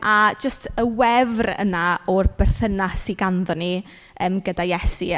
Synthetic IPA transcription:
ʔḁd͡ʒəstʰəwɛvrə̰naɔrb̥ɛrθənasiɡanðɔni | əːmɡədajɛsi

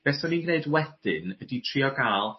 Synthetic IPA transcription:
b̥ɛsɔninɡneɨdwɛd̥ɨnəditʰriɔɡalˠ

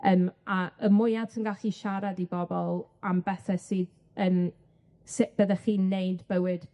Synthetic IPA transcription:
əːmaəmʊjadsʰənɡaɬiʃaɾadibɔbɔlˠambɛθɛsiːð | əm | sɪʔb̥əðaχiːnːejdbəwɨd̥

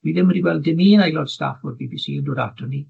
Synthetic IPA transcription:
w̥iːðɪməɾiɡwɛlˠdɪmiənajlɔd̥sta̰fɔd̚biːbiːsiːəndoːdatʰɔni

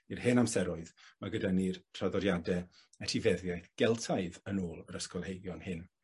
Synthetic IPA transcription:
irhɨnamsɛɾʊɨðmaɡədanirtʰraðɔdjadɛ | ɛtʰivɛðjajθɡ̥ɛlˠtʰaɨðənoːlˠəɾəskɔlˠhejɡjɔnhɨn

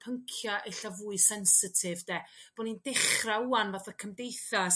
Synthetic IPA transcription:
pʰəŋkʰjaʔeɬavuːɨsɛnsɪtʰɪvdɛːb̥ɔnindɪχrauanvaθɔkʰəmdejθa

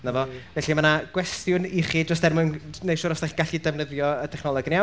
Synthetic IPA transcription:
navɔvɛɬimanaɡ̥wɛstjʊniχidɔstdɛrmʊɨnnejʃuːɾɔstaχiɡaɬidɛvnəðjɔətʰɛχnɔlˠɔɡna

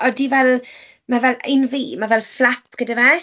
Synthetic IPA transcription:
ɔdivɛlˠ | mavɛlejnviːmavɛlˠflapʰɡ̥ədivɛ

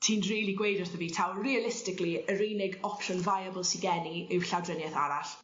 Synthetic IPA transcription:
tʰiːnriːlˠiɡwejdɔrθəviːtʰawriəlɪstɪkliəɾeːnɪɡɔpʰʃɔnvajəbəlˠsiɡɛniɪwɬawdrənjɛθa̰ɾaɬ

